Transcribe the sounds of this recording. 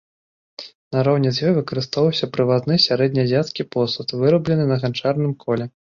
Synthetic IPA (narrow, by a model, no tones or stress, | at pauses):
nɐɾɔwnʲɛzʲjɔjvɨkɐɾɨst̪ɔvɐwsʲɐpɾɨvat̪nɨsʲaɾɛd̪ʲnʲɐzʲat̪skʲipɔsut̪vɨɾɐblʲɛnɨnɐɣant͡ʂarnɨmkʰɔlʲɛ